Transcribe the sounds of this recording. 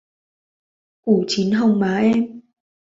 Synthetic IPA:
ku˧˩t͡ɕi˨˦nɦə˧wŋ͡mmaː˨˦ʔɛ˧m

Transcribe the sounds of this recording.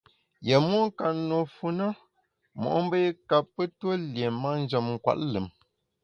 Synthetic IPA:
je˨mwo˦ŋ˦ka˨nːo˨fu˨na˦ | mɔ̰˨ʔm˦bə˦ka˨pːə˦twə˦lje˨ma˦n̩˦d͡ʒə˨mŋ̩˨kwa̰˦˨ʔlɨ˨m

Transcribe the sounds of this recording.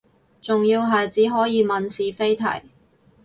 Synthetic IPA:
t͡sʊ˨ŋjiː˧wɦɐ˨jt͡siː˨˥ɦɔː˨˥jiː˨˧mɐ˨nsiː˨fe˥jt̪ʰɐ̰˨˩j

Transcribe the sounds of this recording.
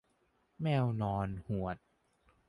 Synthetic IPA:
mɛː˧wnɔː˧nhu˨˩ət̪̚

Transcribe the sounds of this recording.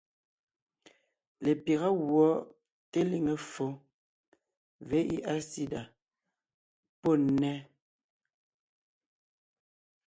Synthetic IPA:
le˨pje˨ɣa˦ɣwɔ˨˦ | te˦li˨ŋe˨fo˦ | ve˨˦ʔi˦ʔa˦si˦da˨ | po˦˨˦nɛ˦

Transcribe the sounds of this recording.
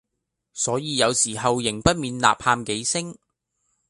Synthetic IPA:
sɔː˨˥jiː˨˧jɐ˨˧wsiː˨˩ɦɐ˨wjɪ˨˩ŋpɐ˥t̚miː˨˧nla̰ː˨p̚haː˧mke˨˥jsɪ˥ŋ

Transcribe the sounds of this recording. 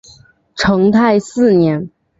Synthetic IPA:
ʈ͡ʂʰɤ˧˥ŋt̪ʰa˥˧ɪsɹ̩˥˩njɛ˧˥n

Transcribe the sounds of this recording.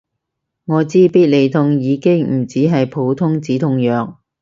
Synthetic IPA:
ŋɔː˨˧t͡siː˥piː˥t̚le˨˧jt̪ʰʊ˧ŋjiː˨˧kɪ˥ŋm̩˨˩t͡siː˨˥ɦɐ˨jpʰo˨˧˥wt̪ʰʊ˥ŋt͡siː˨˥t̪ʰʊ˧˥ŋjœː˨k̚

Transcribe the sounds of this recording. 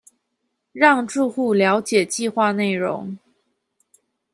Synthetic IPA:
ɻɑ˥˧ŋʈ͡ʂu˥˧xu˥˩ljɑ˧˥ʊt͡ɕjɛ˨˩t͡ɕi˥˧xwa˥˧ne˥˩ɪɻʊ̰˧˥ŋ

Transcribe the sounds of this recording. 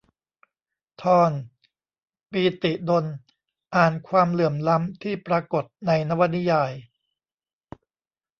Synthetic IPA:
t̪ʰɔː˧n | piː˧t̪i˨˩do˧n | ʔaː˨˩nkʰwaː˧mlɯ˨˩əmla˦˥mt̪ʰiː˥˩pɾaː˧ko˨˩t̪̚na˧jna˦˥wa˧˥t̪̚ni˦˥jaː˧j

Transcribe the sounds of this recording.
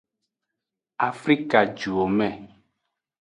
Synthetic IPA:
a˨fɾi˦ka˨d͡ʒu˨o˨mɛ̃˦˨

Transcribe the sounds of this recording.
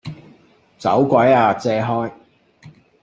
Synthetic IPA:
t͡sɐ̰˨˥wkʷɐ˨˥jaː˧t͡sɛː˧ɦɔː˥j

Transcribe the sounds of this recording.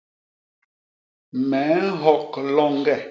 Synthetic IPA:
mɛ˨˦ɦɔ˦˨k̚lɔ˦˨ŋ˦ɡɛ˦˨

